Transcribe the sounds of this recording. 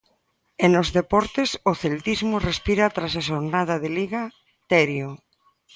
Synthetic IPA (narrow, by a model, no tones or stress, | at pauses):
enozðepɔɾt̪esoθelt̪izmorespiɾat̪ɾasaʃoɾnaðaðeliɣa | t̪ɛɾjo